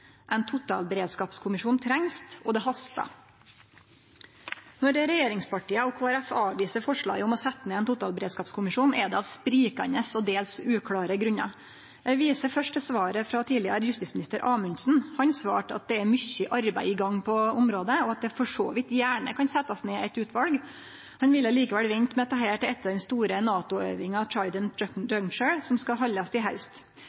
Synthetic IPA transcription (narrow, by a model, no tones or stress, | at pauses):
ʔɛɪnt̪ʰʊt̪ɑ̰ːlbəɾeːd̪skɑːpskʰʊmɪʂuːnt̪ʰɾɛŋst̪ɔd̪ɛɦɑst̪ɑ̰ | nɔɖ̪ɛɾɛjeːɾɪŋspɑʈiːəɔkʰoːæɾæfɑːʋʋiːsəɾfɔʂɭɑ̰ːɡəɔmɔsɛt̪ːmɛɛnt̪ʰʊt̪ɑːlbəɾeːd̪skɑːpskʰʊmɪʂuːnɛd̪ɛɑʋspɾiːkɑ̰nəsɔd̪eːlsʉːkʰlɑːɾəɡɾʉɲɑ̰ | ɛʋiːsəfœʂʈəsʋɑːɾəfɾɑt̪ʰiːlɪɑɾəjʉst̪ɪsmɪnɪst̪əɾʔɑːmənsn̩hɑnsʋɑ̰ːʈɑ̰t̪̚d̪ɛæɾmʏçːəʔɑɾbæɪɪɡɑŋːpʰɔʊmɾoːd̪əɔɑt̪̚d̪ɛfɔʂo̰ːʋɪt̪jæːɳə̰kʰɑnsɛt̪ːɑsneːʔɛt̪ʉːt̪ʰʋɑlɡ | hɑnʋɪlːəliːkəʋɛlʋɛnt̪mɛɔt̪ʰɑːɦeːʈɪlɛt̪ːəɾd̪ɛnst̪uːɾənɑːt̪ʊḛːʋɪŋɑt̪ʰɑɪd̪ənd̪œŋt͡ʃəɹsɔmskɑɦɑlːɑst̪ɪlɦɑʉst̪